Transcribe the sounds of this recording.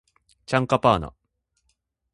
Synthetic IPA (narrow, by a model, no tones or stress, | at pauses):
t͡ɕãŋkapaːna̰